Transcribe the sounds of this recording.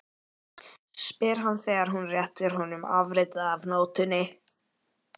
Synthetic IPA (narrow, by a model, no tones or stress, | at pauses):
spɪːɾ̥anːθeːjɣaɾ̥ɦunrjɛht̪ɪɾ̥ɦɔnʏma̰vɾɪːt̪aːvnoːwt̪ʏnɪ